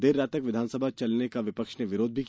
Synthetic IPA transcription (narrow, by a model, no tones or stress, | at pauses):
d̪eɾːaːt̪ɐkʋɪd̪ʱaːnsəbʱat͡ʃɐlnekaʋɪpəkʃneʋɪɾoːd̪̚bʱik